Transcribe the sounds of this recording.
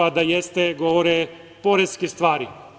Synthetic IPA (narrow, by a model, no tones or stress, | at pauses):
ad̪ajest̪eɡoʋoɾe | poɾeskist̪ʋaːɾi